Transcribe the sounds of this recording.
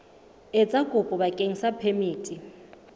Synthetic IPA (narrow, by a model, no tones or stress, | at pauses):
ɪt͡sʼakʼʊpʼʊbakʼeŋ̩sapʰemiːtʼi